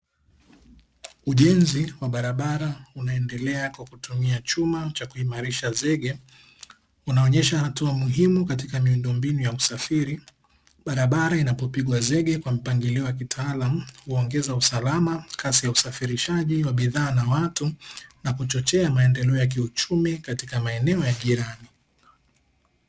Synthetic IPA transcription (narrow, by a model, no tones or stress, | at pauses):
uʄɛnziwaɓaɾaɓaɾaunaɛndɛlɛakwakutumiat͡ʃumat͡ʃakuimaɾiʃazɛɠɛ | unaɔɲɛʃahatuamuɦimukatikamiundɔmbinujausafiɾi | ɓaɾaɓaɾainapɔpiɠwazɛɠɛkwam̩paŋɡiliɔjak̬itʰaalam̩huɔŋɡɛzausalamakʰasijausafiɾiʃaʄiwaɓiðaːnawatunakut͡ʃɔt͡ʃɛamaɛndɛlɛɔjak̬iut͡ʃumikatikamaɛnɛɔjaʄiɾani